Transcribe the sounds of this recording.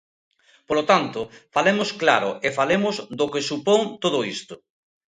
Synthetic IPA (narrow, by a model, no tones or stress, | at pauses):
polot̪ant̪ʊfalemʊsklaɾʊ̰ʔefalemʊzd̪okesupoŋt̪oðʊist̪ʊ